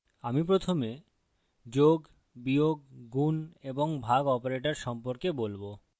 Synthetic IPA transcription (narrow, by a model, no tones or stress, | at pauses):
amipɾot̪ʰome | d͡ʑoɡ | bioɡːuneboŋbʱaɡɔpoɾeʈaɾʃɔmpoɾkebolbo